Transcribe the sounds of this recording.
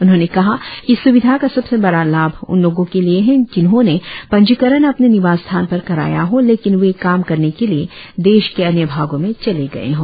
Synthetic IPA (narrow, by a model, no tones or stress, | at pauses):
ʊnɦõːnekɐɦakisʊʋɪd̪ʱakasɐbsebɐɽalaːbʱʊ̰nloːɡõkelieɦɛ̃d͡ʒɪnɦõnepɐ̃ɲd͡ʒɪkəɾənɐpnenɪʋaːst̪ʰaːnpɐɾkɐɾa̰ːjaɦoleːkɪnʋekaːmkɐɾnekelie | d̪eːʃkeɐnjəbʱaːɡõmẽt͡ʃɐleɡɐ̰ḛɦoː